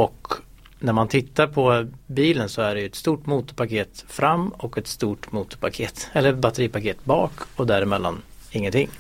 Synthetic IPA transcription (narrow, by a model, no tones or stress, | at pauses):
ɔk | næɾmant̪ʰɪt̪ːaɾpʰɔbiːlənsɔæɖɛjɵɛt̪st̪uːʈmuːt̪ʊɾpakʰeːt̪fɾamːɔkɛt̪st̪uːʈmuːt̪ʊɾpʰakʰeːt̪ɛlːəɾbat̪ɛɾiːpakʰeːt̪bɑːkɔd̪æɾɪmɛlːa̰nɪŋːənt̪ʰɪŋː